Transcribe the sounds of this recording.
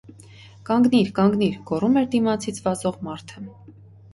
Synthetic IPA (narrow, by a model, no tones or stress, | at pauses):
kɑŋɡniɾkɑŋɡniɾɡ̥ɔrumɛɾd̪imɑt͡sʰit͡sʰvɑzɔʁmɑɾt̪ʰə